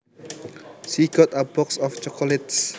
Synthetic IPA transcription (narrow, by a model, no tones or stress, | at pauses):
sikɔt̪abɔksɔft͡ʃɔkʰɔlɛt̪s